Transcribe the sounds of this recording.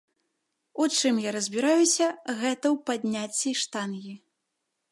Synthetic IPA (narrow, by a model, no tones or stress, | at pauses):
ut͡ʂɨmjaɾɐzʲbʲiɾajusʲɐɣɛt̪ɐwpad̪ʲnʲat͡sʲːiʂt̪anɣʲi